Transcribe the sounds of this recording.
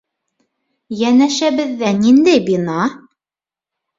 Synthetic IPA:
jænæʃæβɘ̆ðːænind̪æjbinɑ

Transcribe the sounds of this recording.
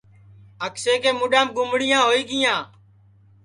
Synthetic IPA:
əkseːkeːmʊɗaːmɡʊmɽɪjãːɦoːiːɡɪjãː

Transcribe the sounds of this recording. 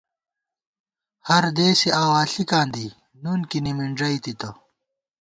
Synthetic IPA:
hɐɾd̪eːsiaːwaːɬikãːnd̪i | nunkinimiɳɖɐit̪it̪ɐ

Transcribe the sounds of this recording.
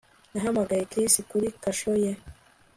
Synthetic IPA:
naɦamaɡajekɾisikuɾikaʃoje

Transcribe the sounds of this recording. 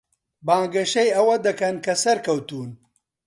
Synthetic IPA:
bãːŋɡɐʃɐjɐwɐd̪ɐkɐnkɐsɐɾkɐwt̪uːn

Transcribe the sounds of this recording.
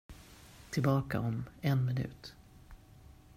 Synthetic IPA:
t̪ʰɪlbɑːka̰ʔɔmɛnmɪnʉ̟̰ːt̪

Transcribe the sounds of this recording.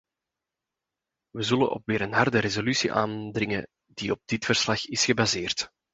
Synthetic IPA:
ʋəzɵləʔɔ̰pʋeːɾənɦɑrdəɾezolysiʔa̰ːndrɪŋə | diɔb̚dɪtfərslɑxɪsxəbazeːrt

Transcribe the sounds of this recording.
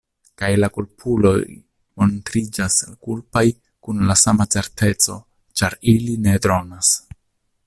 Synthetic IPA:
kajlakulpʰulo̞̰ | mo̞ntɾid͡ʒaskulpaj | kunlasamat͡se̞ɾte̞t͡so̞̰ | t͡ʃaɾiline̞dɾo̞nas

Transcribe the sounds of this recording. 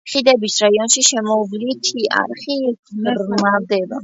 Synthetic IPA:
χid̪ɛbisɾaiɔnʃiʃɛmɔvlit̪ʰiʔa̰ɾχiɾmad̪ɛba

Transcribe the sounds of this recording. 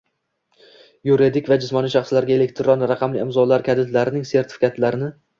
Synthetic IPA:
juɾid̪ɪkʲvad͡ʒɪsmɒniʃɑχslaɾɡʲae̞le̞kt̪ʰɾonɾaqʰɑmlɪɪmzɒlaɾkʲʰad̪ɪt̪laɾɪnɪŋse̞ɾt̪ʰɪ̥fɪkʰʲat̪ʰlaɾɪnɪ

